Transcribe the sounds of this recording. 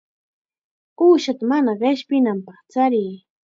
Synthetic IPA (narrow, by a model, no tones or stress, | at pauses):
uːʃat̪amanaɢeʃpɪnampɑχt͡saɾiː